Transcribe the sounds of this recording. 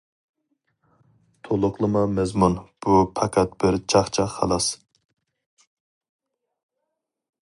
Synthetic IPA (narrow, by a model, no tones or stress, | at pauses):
t̪ʰolˠʊqlˠɨmɑmɛzmunb̥upʰɑkʲʰɛt̪̚b̥ɪɾt͡ʃʰɑχt͡ʃʰɑχːɑ̰lˠɑs